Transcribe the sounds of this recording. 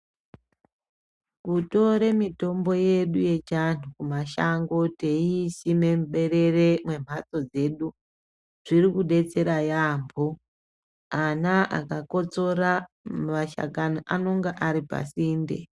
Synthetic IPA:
kuto̞ɾe̞mito̞mbo̞jeɗuje̞t͡ʃanukumaʃaŋɡo̞teisimemɓe̞re̞re̞mwe̞m̤at͡so̞d͡ze̞ɗu | ʐ̥iɾikuɗe̞t͡se̞ɾajaːmbʱo | anaʔa̰kako̞t͡so̞ɾamaʃa̰kanoʔano̞ŋɡaʔaɾipa̰siːndḛ

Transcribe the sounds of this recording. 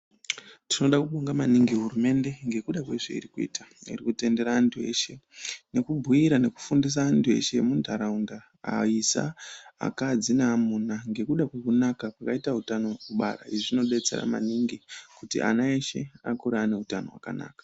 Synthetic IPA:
tino̞ɗakuɓoŋɡamaniŋɡiɦurume̞nde̞ŋɡe̞kuɗakwe̞ʐḛḭɾikuḭːtaḭrikute̞nde̞ɾaːntʰue̞̰ːʃe̞ne̞kubʱuiɾane̞ku̥fundis̬aːntʰue̞̰ʃe̞mundʱaɾaunda̰ː | isa̰a̰kad͡zinamunaŋɡe̞kuɗakwe̞kunakapwakaitaɦutanokuɓa̰ɾa̰iʐino̞ɗe̞t͡se̞̰ɾa̰ma̰niŋɡikutḭʔa̰naeʃe̞̰akuɾane̞utano̞̰wa̰ka̰na̰ːkḁ

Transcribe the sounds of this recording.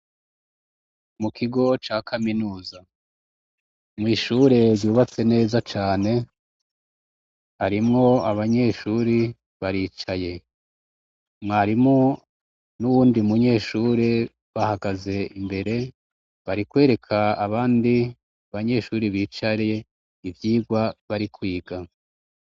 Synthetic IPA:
mukʰiɡo̞t͡ʃaːkʰaminuːza | mŋiːʃuɾe̞ɾɟuːβat͡se̞ne̞ːzat͡ʃaːne̞ | haɾimŋo̞aβaɲe̞ːʃuːɾi | βaɾiːt͡ʃaje̞ | mŋaːɾimŋo | nuβuːndiumuɲe̞ːʃuːɾe̞ | βahaɡaze̞imbe̞ɾe̞ | βaɾikwe̞ːɾe̞kʰaaβaːndi | aβaɲe̞ʃuːɾiβiːt͡ʃaɾje̞ | ivjiːɡwaβaɾikwiːɡa

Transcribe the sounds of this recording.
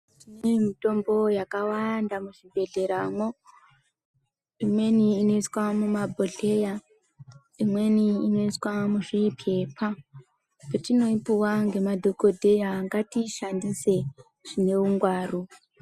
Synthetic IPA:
tinemito̞mbo̞jakawandamuʐibʱe̞ɮe̞ɾaːmo | imwe̞niːno̞iswamumabʱoɮe̞ja | imwe̞niːno̞iswamuʐipʰe̞pʰa | petino̞ipuwaŋɡe̞madʱokodʱe̞jaːŋɡatiʃandise̞ | ʐ̥ine̞uŋɡwaːru

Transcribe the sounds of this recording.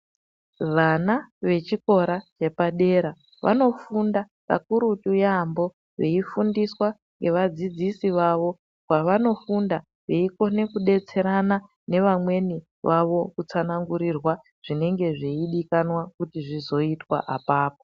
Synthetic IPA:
ʋanaʋe̞t͡ʃiko̞ɾat͡ʃe̞paɗe̞ɾa | ʋʔa̰no̞funda | pa̰kuɾutujambo̞ | ʋe̞ifundiswa | ŋɡe̞ʋad͡zid͡zisiʋaʋo̞ | kwaʋano̞funda | ʋe̞iko̞ne̞kuɗe̞t͡se̞ɾana | ne̞ʋamwe̞ni | ʋʔaʋo̞kut͡sanaŋɡuɾirwa | ʐ̥ine̞ŋɡe̞ʐeiɗikanwakutiʐizo̞itwa̰ʔapaːp̚o

